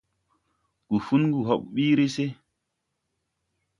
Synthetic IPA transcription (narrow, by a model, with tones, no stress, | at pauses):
ɡ̥u˨fu˦nɡu˨ɦɔ˨ɓɓiː˦ɾe˦se˦